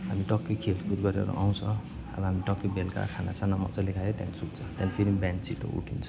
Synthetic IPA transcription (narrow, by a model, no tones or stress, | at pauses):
ɦamiʈʌkːikʰelpurɡʌɾḛɾṵʔaw̃t͡sʰʌ̃ | a̰bʌɦamiʈʌkːibelka̰kʰana̰sanamʌ̰t͡sʌlekʰajet̪ja̰nisuk̚t͡sʰʌt̪janipʰiɾimbant͡sit̪ʌ̰ṵʈʰint͡sʰʌ